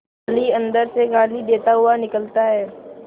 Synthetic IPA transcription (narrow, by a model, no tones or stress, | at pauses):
aliɐ̃nd̪əɾseɡaːlid̪eːt̪aɦʊanɪkəlt̪aɦɛː